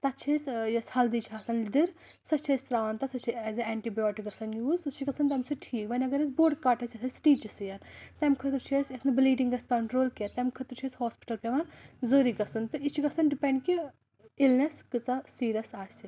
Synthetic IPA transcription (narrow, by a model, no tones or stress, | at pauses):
t̪ɐt͡ʃʰesʲjɐshɐld̪it͡ʃʰiaːsɐnd̪iɾ | sɐt͡ʃʰesʲt̪ɾaːʋɐnt̪ɐsɐt͡ʃʰiɐzɨɛːɳʈibijoːʈikɡɐsɐnjuːzɨt͡ʃʰiɡɐsɐnt̪ɐmsɨʈʰiːkʋɐnʲɐɡɐɾɐsboːɖkaʈɐsʲɐsʰɐsʈiːt͡ʃisɨjɐnt̪ɐmkʰɐt̪ɾt͡ʃʰesʲɐsnbliːɖiŋɡɐskɐɳʈɾoːlkʲet̪ɐmkʰɐt̪ɾt͡ʃʰesʲhɔːspi̥ʈɐlpʲɐʋɐnzoːɾiɡɐsɨnt̪ɨit͡ʃʰiɡɐsɐnɖipeɳɖki | ilnɐskɨt͡sɐsiːɾʲɐsaːsi